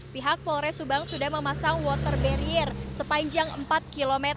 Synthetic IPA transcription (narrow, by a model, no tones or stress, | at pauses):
piɦak̚pɔɾɛsubaŋsudahməmasaŋwɔt̪ərbɛɾiɛrsəpaɲd͡ʒaŋə̰mpat̪̚kilomɛt̪